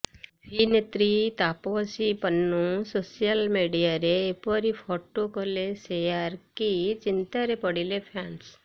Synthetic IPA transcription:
pʰinet̪ɾit̪apoʋəsipənːũsosijəlmeɖijaɾeːpɔɾipʰoʈokolesejaɾkit͡ʃɪnt̪aɾepəɽilepʰans

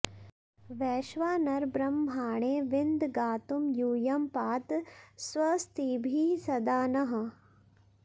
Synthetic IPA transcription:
ʋɛːʃʋaːnɐɾbɾɐmːʱaːɳ̃eːʋɪnd̪ɡaːt̪umjuːjɐmpaːt̪sʋɐst̪iːbʱiːsɐd̪aːnɐɦɐ̆

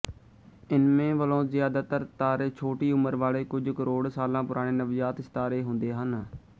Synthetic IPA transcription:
ɪnmẽːʋəlõːzɪjaːd̪aːt̪əɾt̪aːɾeːt͡ʃʰoːʈiːʊməɾʋaːɭeːkʊd͡ʒkəɾoːɽsaːlãːpʊɾaːɽ̃eːnəʋjaːt̪ɪst̪aːɾeːɦʊ̃nd̪eːɦən

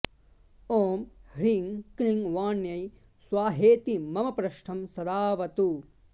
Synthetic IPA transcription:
oːmhɾiŋkliŋʋaːnjɐj | swaːɦeːt̪imɐmɐpɾɐʂʈʰɐmsɐd̪aːʋɐt̪u

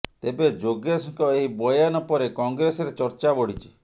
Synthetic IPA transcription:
t̪ebed͡ʒoɡesiŋkɔeɦibɔjanɔpɔɾekɔŋɡɾesɔɾet͡ʃɔɾt͡ʃabɔɽ̤it͡ʃʰi̥

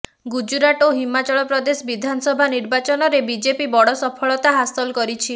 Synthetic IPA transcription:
ɡud͡ʒuɾaʈoɦimat͡ʃɔɭɔpɾɔd̪esɔbid̪ʱanɔsɔbʱaniɾbat͡ʃɔnɔɾebid͡ʒepibɔɽɔsɔpʰɔɭɔt̪aɦasɔlkɔɾit͡ʃʰi

